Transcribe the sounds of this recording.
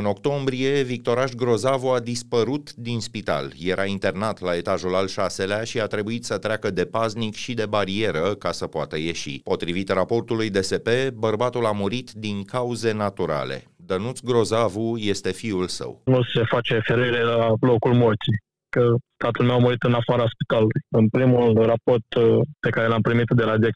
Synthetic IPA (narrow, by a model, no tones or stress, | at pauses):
ɨno̞kt̪o̞mbɾie̞vik̚t̪o̞ɾaʃɡɾo̞zavuad̪ispəɾut̪d̪inspit̪a̰lje̞ɾʔaint̪e̞rnat̪lae̞t̪aʒulalʃase̞leaʃiat̪ɾe̞buit̪sət̪ɾeakəd̪e̞paznikʃid̪e̞baɾie̞ɾəkasəpoat̪əje̞ʃḭpo̞t̪ɾivit̪rapo̞rt̪ulujd̪e̞se̞pe̞bərbat̪ulamuɾit̪d̪iŋkauze̞nat̪uɾa̰lḛ | d̪ənut̪sɡɾo̞zavuje̞st̪e̞fiulsə̰wnuse̞fat͡ʃefeɾuiɾelalo̞kulmort̪si | kət̪at̪əlmewamuɾit̪ɨnafaɾaspit̪alulujɨnpɾimulrapo̞rt̪pe̞kaɾe̞lampɾimit̪d̪e̞lad̪iek̪̚